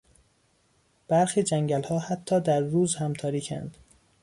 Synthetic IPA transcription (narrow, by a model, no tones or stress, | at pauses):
b̥æɾxiːd͡ʒæŋɟælhɒːhæt̪ʰːɒːd̪æɾːuːzhæmt̪ʰɒːɾiːcʰæ̰nd̪̥